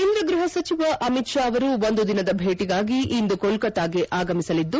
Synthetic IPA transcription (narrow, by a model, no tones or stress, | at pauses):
ind̪ɾɐɡɾuɦɐsɐt͡ʃiʋɐʔɐmit̪ʃaːʋɐɾuʋond̪ud̪inɐd̪ɐbʱeːʈiɡaːɡiʔind̪ukolkɐt̪aːɡeʔaːɡɐmisɐlid̪ːu